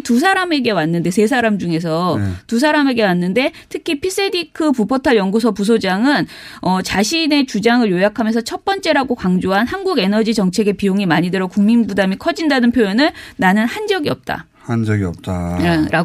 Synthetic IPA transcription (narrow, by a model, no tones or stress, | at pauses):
tusʰaɾame̞ɡe̞wanːɯnde̞sʰe̞s̬ʰaɾamd͡ʑuŋe̞s̬ʰʌtusʰaɾame̞ɡe̞wanːɯnde̞tʰɯkʰipʰis͈edikʰɯpupʰotʰaɭjʌŋɡus̬ʰʌpusʰod͡ʑaŋɯn | ʌt͡ɕaɕʰine̞t͡ɕud͡ʑaŋɯɭjojakʰamjʌnsʰʌt͡ɕʰʌp͈ʌnt͡ɕ͈e̞ɾaɡokaŋd͡ʑoɦanhanɡuɡe̞nʌd͡ʑit͡ɕʌŋt͡ɕʰe̞ɡe̞pioŋimaɲidɯɾʌkuŋminbudamikʰʌd͡ʑindanɯnpʰjojʌnɯɭnanɯnhand͡ʑʌɡiʌp̚t͈a̰ | hnd͡ʑʌɡiʌp̚t͈aɾa